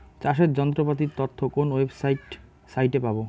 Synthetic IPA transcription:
t͡ɕaʃet̪d͡ʑɔnt̪̬ɾopat̪̬iɾt̪oɾt̪ʰːokonwebsajʈ | sajʈepabo

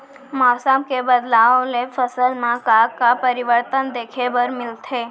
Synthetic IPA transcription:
mɔsəmkebəd̪laonefəsəlmãkakapəɾiʋəɾt̪ənd̪ekʰebəɾmɪlt̪ʰe

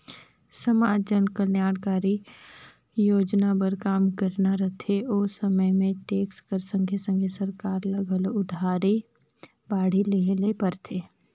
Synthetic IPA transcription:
səmaːd͡ʒənkəɾnjaːɽkaːɾi | joːd͡ʒnapəɾkaːmkəɾnaɾət̪ʰeʔoːsəməjmẽʈeːkskəɾsə̃ŋɡʰʱesə̃ŋɡʰesəɾkaːɾlɐɡʱəlʊd̪ʱaːɾe | baːɽ̤ileɦlepəɾt̪ʰeː

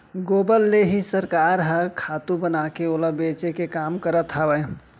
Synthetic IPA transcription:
ɡoːbəlːeɦisəɾkaːɾɦəkʰaːt̪ũbənaːkeoləbeːt͡ʃekekaːmkəɾət̪ɦəʋəj

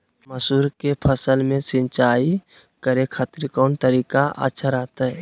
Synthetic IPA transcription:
məsuːɾkepʰəsəlmẽsɪ̃nt͡ʃaːi | kəɾekʰat̪ɾikɔːnt̪əɾiːkaʔə̰tːʃʰaɾaːt̪aɦɛ

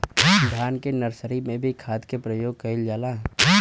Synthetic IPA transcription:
d̪ʱaːnkenəɾsəɾimẽbʱikʰaːd̪kepɾəjoːɡ̚kɐɪld͡ʒaːla

